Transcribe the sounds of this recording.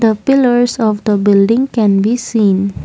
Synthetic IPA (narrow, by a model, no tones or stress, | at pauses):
d̪əpiləɹsɔfd̪əbɪldɪ̃ŋkɛ̃nbisĩn